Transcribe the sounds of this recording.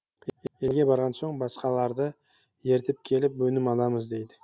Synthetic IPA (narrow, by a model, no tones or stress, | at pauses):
je̞lɡʲe̞bɑɾʁɑnso̞ɴbɑsqɑlˠɑɾd̪ə | je̞ɾt̪ɪp̚kʲʰe̞lɪpwɵnɪmɑlˠɑməzd̪e̞jd̪ɪ